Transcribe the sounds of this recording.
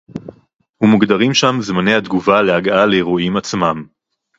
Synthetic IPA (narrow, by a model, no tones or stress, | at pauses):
humuɡd̪aʁimʃamzmane̞jhad̪ɡuvaleaɡaleːʁoimat͡smam